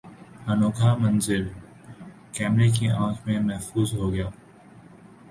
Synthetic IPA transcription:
hənoːkʰaːmənzɪɾ | kɛːmɾek̬iʔãːkʰmẽːmɛɦfuːzɦoːɡɪjaː

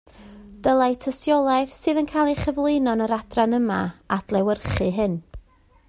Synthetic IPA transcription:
d̥əlˠajtʰəsjɔlˠaɨðsɨːðənkʰajlˠiχəvlˠɪjnɔnəɾadranəmaad̥lˠɛwərχɨɦɨn

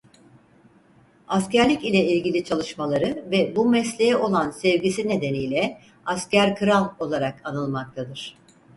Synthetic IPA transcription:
ascæɾlʲicilʲɛilʲɟilʲit͡ʃʰalˠɯʃmalˠaɾɯvɛbumɛslʲejɛʔo̞lˠansɛvɟisine̞d̪e̞nijlʲɛ | ascæɾkʰɯɾalˠo̞lˠaɾakanɯlˠmak̚t̪ʰad̪ɯɾ̥

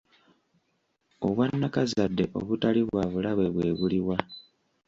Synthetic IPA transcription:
oβwanːakazadːe̞ʔo̞̰βutaliβwaːβulaβwe̞βwe̞ːβuliwa

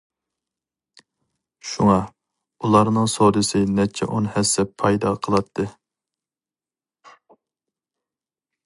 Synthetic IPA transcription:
ʃuŋɑ | ulˠɑɾnɨŋsod̪ɨsɨnɛt͡ʃʰɛ̰ʔonhɛsːɛpʰːɑjd̪ɑqʰəlˠɑt̪ʰːɨ

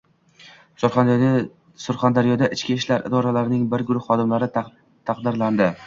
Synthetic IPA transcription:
s | sʊɾχand̪aɾjɒd̪aʔɪt͡ʃkʲiːʃlaɾɪ̰d̪ɒɾalaɾɪnɪŋbɪɾɡʊɾʊhːɒd̪ɪmlaɾɪ | t̪ʰɑqd̪ɪɾland̪ɪ

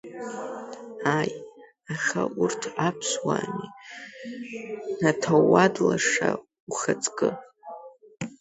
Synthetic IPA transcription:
aj | aχʲaurtʰapʰswami | natʰawadlaʂa | uχat͡sʼkʼɨ

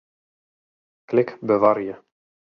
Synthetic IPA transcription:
klɪkbəvaɾjə

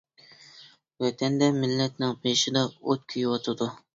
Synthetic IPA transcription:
wɛt̪ʰɛnd̪ɛmɪlːɛt̪nɪŋpʰejʃɪd̪ɑot̪̚kʲʰyjwɑt̪ʰɨd̪u

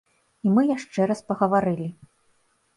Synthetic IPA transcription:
imɨjaʂt͡ʂɛɾɐspɐɣɐvaɾɨlʲi

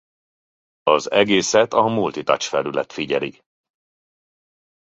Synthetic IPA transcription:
ɒzɛɡeːsɛt̪ɒmult̪it̪ɒ̰t͡ʃfɛlylɛ̰t̪fiɟɛli

